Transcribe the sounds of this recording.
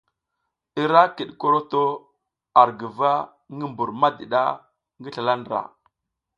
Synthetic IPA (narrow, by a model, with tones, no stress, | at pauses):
i˦ɾa˦ki˨ɗko˦ɾo˦to˦ | a˨ɾɡə˨va˦ | ŋɡə˦mbu˨ɾma˦di˨ɗa̰˦ | ŋɡə˦ɬa˨la˦ndɾa̰˨